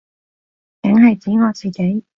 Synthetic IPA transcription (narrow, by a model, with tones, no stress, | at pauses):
kɐ˨˥ŋɦɐ˨jt͡siː˨˥ŋɔː˨˧t͡siː˨˩ke˨˥j